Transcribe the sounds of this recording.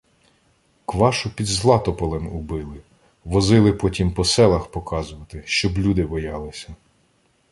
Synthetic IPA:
kʋɑʃʊpʲid̪zlˠɑt̪ɔpɔlˠɛmʊbɪlˠɪ | ʋɔzɪlˠɪpɔtʲimpɔsɛlˠɐxpɔkɑzʊʋɐt̪ɪʃt͡ʃɔblʲud̪ɪbɔjɑlˠɪsʲɐ

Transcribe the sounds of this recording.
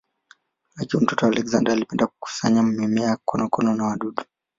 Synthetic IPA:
lakinim̩tɔtɔwalɛkzandaːlipɛndaku̥ku̥saɲam̩ɛmɛakɔnɔkɔnɔnawaɗuɗu

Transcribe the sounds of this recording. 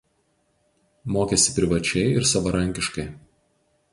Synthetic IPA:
moːkʲesʲɪ̥pʲɾʲɪʋɐt͡ʃʲɛɪɪɾsɐʋɐɾɐŋʲkʲɪʃkɐɪ

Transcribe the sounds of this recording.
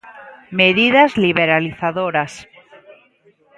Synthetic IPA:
meðiðazliβeɾaliθaðoɾas

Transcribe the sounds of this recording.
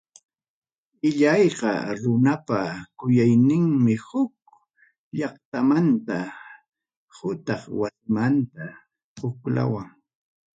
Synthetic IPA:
ɪʎajqɑ̰ɾʊnapakʊjajnɪŋmɪhʊk̚ | ʎɑχt̪amant̪a | hʊt̪ɑχwasɪmant̪a | ʊkla̰waŋ

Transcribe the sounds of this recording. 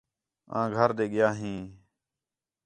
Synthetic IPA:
ãːɡʱəɾd̪eːɠɪjaːɦĩː

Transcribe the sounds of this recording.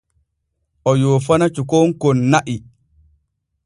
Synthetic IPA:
ʔɔjɔfanat͡ʃukɔːŋkɔnːaʔi

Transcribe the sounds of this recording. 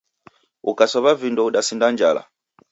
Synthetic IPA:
ukasɔβavindɔuɗasindand͡ʒa̰la̰

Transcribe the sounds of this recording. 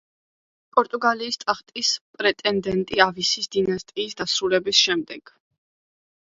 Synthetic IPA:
pʼɔɾt̪ʼuɡaliːst̪ʼaχt̪ʼispʼɾɛt̪ʼɛnd̪ɛnt̪ʼiavisisd̪inast̪ʼiːsd̪asɾulɛbisʃɛmd̪ɛɡ̥

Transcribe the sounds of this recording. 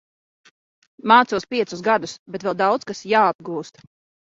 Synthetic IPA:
maːt̪suɔspʲiɛtsusɡad̪usbɛt̪vɛlˠd̪awd̪skasjaːab̚ɡuːst̪

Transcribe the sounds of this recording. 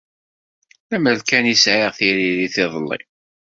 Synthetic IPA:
æməlkænisʕɪʁθiɾiðiθɪðˤəlːḭ

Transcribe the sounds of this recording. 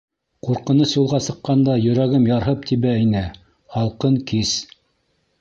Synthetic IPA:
quɾqɤ̆nɤsjulˠʁɑsɤ̆qːɑnd̪ɑjɵ̆ɾæɡɘmjɑɾɦɤpt̪ʰiβæinɘ | hɑlˠqɤɴkis

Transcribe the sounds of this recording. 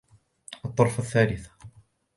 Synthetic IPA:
ʔɑt̪ˤːɑɾˤfaθːaːlɪθḁ

